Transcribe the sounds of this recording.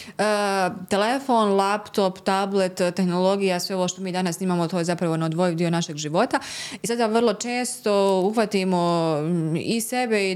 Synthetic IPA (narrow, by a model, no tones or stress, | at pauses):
ət̪elefo̞ːnlˠapt̪o̞pt̪able̞t̪ːe̞xnolˠo̞ɡijasʋe̞o̞ʋoːʃt̪o̞miːd̪anasniːmaːmot̪oːje̞zapɾaʋo̞nod̪ʋojd̪io̞naʃe̞ɡʒiʋo̞t̪aisad̪aʋərlˠo̞t͡ʃeːst̪o̞uxʋat̪imo | ise̞be̞i